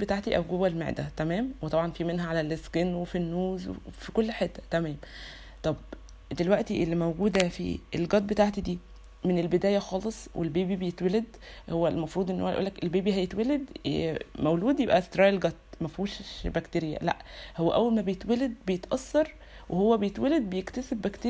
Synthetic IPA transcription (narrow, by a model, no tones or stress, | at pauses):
bet̪aːʕt̪iʔæwɡowælmḛʕd̪æ̰t̪æmæːmwet̪ˤɑbʕɑnfimenɦæʕalælːeskenwefinːuːzwḛefikolːħet̪ːæ̥t̪æmæːm | t̪ˤɑb | d̪elwæʔt̪iʔelːimæwɡuːd̪æfḭelɡɑt̪̚bet̪aʕt̪id̪iː | menelbed̪æːjæxɑːlesˤwʔḛlbiːbibejet̪weled̪ | howːælmɑfɾˤuːd̪ˤʔenːho̰ːæjʔuːlːækʔelbeːbiɦæjet̪weled̪ | mæwluːd̪jebʔæst̪ɾˤɑːʔelɡɑt̪̚ːmæfuːʃʃbækt̪eɾejæ̰læ̰ʔhowːæʔæwːælmæbejet̪weled̪̚bejet̪ʔɑsːɑɾˤ | wehowːæbejet̪weled̪̚bejekt̪æsebːækt̪eːɾ